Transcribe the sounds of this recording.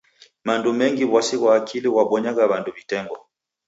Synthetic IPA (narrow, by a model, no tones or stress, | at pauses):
mandumɛŋɡiβwasiɣwaːkʰiliɣwaɓwɔɲaɣaβanduβitɛŋɡɔ